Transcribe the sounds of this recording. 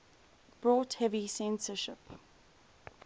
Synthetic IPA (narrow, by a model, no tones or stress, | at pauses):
b̥ɹɔˑthɛvisɛ̃nsəʃɪp